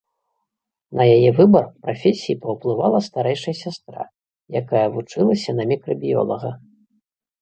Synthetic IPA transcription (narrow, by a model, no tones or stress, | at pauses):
nʔɐjajɛvɨbɐrpɾafʲesʲijipɐwplˠɨvalˠɐst̪aɾɛjʂɐjɐsʲast̪ɾa̰ | jakajɐvut͡ʂɨlˠɐsʲɐnɐmʲikɾɐbʲijɔ̰lˠɐɣɐ